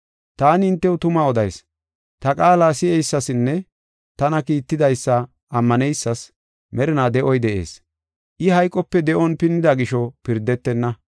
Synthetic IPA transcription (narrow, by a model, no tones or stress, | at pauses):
t̪aːnɪɪnt̪ːɛwʊt̪ʊmaːɔd̪ɐjs | t̪ɐkʼaːlaːsɪɛjsːɐsɪnːɛ | t̪ɐnɐkiːt̪ːɪd̪ɐjsːɐ | ʔɐmːɐnɛjsːɐs | mɛɾɪnaːd̪ɛʔɔjd̪ɛʔe̞̰ːs | ʔɪhɐjkʼːɔpːɛd̪ɛʔɔnpɪnːɪd̪aɡɪʃɔpɪɾd̪ɛt̪ːɛnːɐ